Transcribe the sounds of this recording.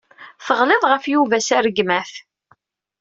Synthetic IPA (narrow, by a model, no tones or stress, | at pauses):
θəʁleðˤʁəfjuvæsæɾəɡmæf